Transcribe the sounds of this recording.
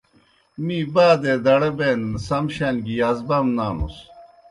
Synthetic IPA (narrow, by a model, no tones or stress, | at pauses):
mibaːd̪ed̪ɐɽɐbeːnsɐmɕɐnɡiɐzbɐmnaːnṵs